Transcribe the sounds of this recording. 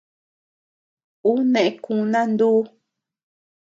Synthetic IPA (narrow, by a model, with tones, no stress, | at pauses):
u˦nẽ˨ʔe˦kũ˧nã˦nd̪uː˦